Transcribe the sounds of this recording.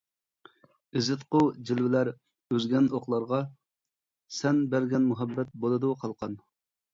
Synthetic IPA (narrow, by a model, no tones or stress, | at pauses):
ɪzɪt̪qʊd͡ʒilwɪlæɾ | øzɡʲɛnoχlˠɑɾʁɑ | sɛnbæɾɡʲɛnmuɦɛbːɛt̪̚bolˠɨd̪uqʰɑlˠqʰɑn